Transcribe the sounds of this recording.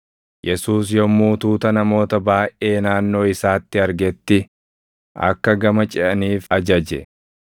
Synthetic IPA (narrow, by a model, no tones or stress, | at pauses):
jʔɛsuːs̬jɔmuːt̪uːt̪ɐnɐmo̞ːt̪ɐbaːʔʔe̞ːnaːnːo̞ːɪsaːt̪ːɪɐɾɡɛt̪ːɪ | ʔɐ̰kːɐɡɐmɐt͡ʃʼɪʔɐniːfɐd͡ʒɐd͡ʒɛ